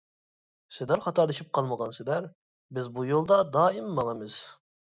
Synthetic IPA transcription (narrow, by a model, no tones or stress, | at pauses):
sɪd̪æɾχɑt̪ʰɑɾd̪ɨʃip̚qʰɑlˠməʁɑnsɪd̪æɾ | bɪzbujolˠd̪ɑd̪ɑːɪmːɑlˠɑmɨz̥